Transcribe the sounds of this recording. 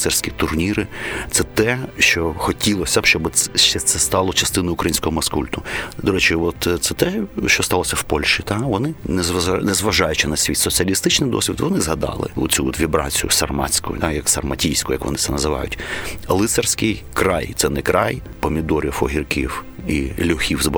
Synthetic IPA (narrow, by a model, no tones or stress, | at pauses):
sɛrsʲkʲit̪ʊrnʲiɾɪt̪sɛt̪ɛʃt͡ʃɔxɔtʲilˠɔsʲɐbʃt͡ʃɔbʃɛt̪sɛst̪ɑlˠɔt͡ʃɐst̪ɪnʊjʊkɾɐjinʲsʲkɔɦɔmɐskulʲt̪ʊd̪ɔɾɛt͡ʃɪʋɔt̪t̪sɛt̪ɛʃt͡ʃɔst̪ɑlˠɔsʲɐwpɔlʲʃit̪ɑʋɔnɪnɛzʋnɛzʋɐʒɑjʊt͡ʃɪnɐsʲʋʲit̪ʲsɔt͡sʲiɐlʲist̪ɪt͡ʃnɪjd̪ɔ̰sʲʋʲid̪ʋɔnɪzɦɐd̪ɑ̰lˠɪ̰ʊ̰t͡sʲut̪ʋʲibɾɑ̰t͡sʲijʊ̰sɐrmɑ̰t͡sʲkʊjʊ̰t̪ajɐksɐrmɐtʲijsʲkʊjɐ̰kʋɔ̰nɪsɛnɐzɪʋɑ̰jʊ̰tʲɐlˠɪtsɛrsʲkɪjkɾɑjt̪sɛnɛkɾʔɑj | pɔmʲid̪ɔɾʲifɔ̰ɦʲirkʲiwilʲʊxʲiwzb